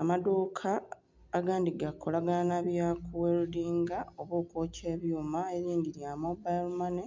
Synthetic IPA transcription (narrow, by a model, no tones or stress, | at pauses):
amadoːkʰaː | ɡaːndiɡakʰolaɡanaβjakʰuweludiːŋɡao̞βokoːce̞ːβjuːmae̞ɾiːndiɾjamobajlmane